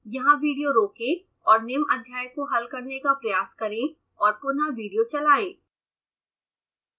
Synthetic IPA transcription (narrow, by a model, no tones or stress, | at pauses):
jɐɦãʋiːɖijoɾoːke | ɔːɾnɪmɐd̪ʱjaːjəkoɦɐlkɐɾnekapɾɐjaːskɐɾẽ | ɔːɾpʊnaʋiːɖijot͡ʃɐlaːeː